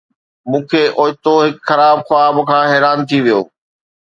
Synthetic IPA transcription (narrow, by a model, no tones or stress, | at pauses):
mũːkʰeːʔoːt̪oɦɪkxɐɾaːbxʊaːbkʰãːɦɛːɾaːnt̪ʰiʋijo̰ː